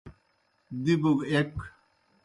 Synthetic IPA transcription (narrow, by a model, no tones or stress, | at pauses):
d̪ibuɡek